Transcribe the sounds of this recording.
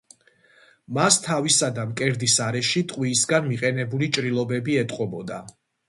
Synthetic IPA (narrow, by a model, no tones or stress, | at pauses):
mast̪ʰavisad̪amkʼɛɾd̪isaɾɛʃit̪ʼqʼwiːsɡanmiqʼɛnɛbulit͡ʃʼɾilˠɔbɛbiɛt̪ʼqʼɔbɔd̪a